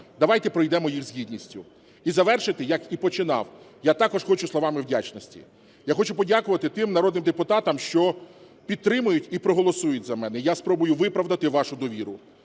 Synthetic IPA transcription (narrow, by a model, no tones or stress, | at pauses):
d̪ɐʋɑjt̪ɛpɾɔjd̪ɛmɔjixzɦʲid̪ʲnʲisʲtʲʊ | izɐʋɛrʃɪt̪ɪjɐkipɔt͡ʃɪnɑ̰w | jat̪ɑkɔʃxɔt͡ʃʊslˠɔʋɑmɪwdʲat͡ʃnɔsʲtʲḭ | jaxɔt͡ʃʊpɔdʲakʊʋɐt̪ɪt̪ɪmnɐɾɔd̪nɪmd̪epʊt̪ɑt̪ɐmʃt͡ʃɔ | pʲidt̪̚t̪ɾɪmʊjʊtʲipɾɔɦɔlˠɔsujʊtʲzɐmɛnɛjaspɾɔbʊjʊʋɪpɾɐʋd̪ɐt̪ɪʋɑʃʊd̪ɔʋʲiɾʊ